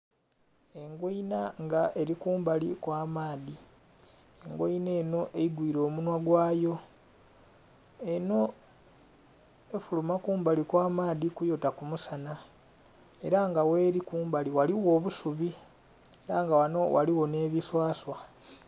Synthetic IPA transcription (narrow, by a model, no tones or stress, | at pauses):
e̞ŋɡoinaŋɡaʔe̞ɾikuːmbalikwaːmaːði | eŋɡoine̞ːno̞ʔeiɡwiːɾo̞ːmunwaɡwaːjo̞ | e̞no̞ | e̞fulumakuːmbalikwaːmaːðikujo̞takumusana | e̞ɾaŋɡawe̞ːɾikuːmbaliwaliwo̞ːβusuβi | eɾaŋɡawano̞wʔa̰liwo̞ne̞ːβiswaːswa